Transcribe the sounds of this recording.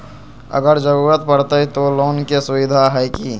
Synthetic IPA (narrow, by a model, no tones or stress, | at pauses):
ə̰ɡəɾd͡ʒəɾuːɾət̪pəɽt̪əit̪oloːnkesʊʋɪd̪ʱaɦɛːki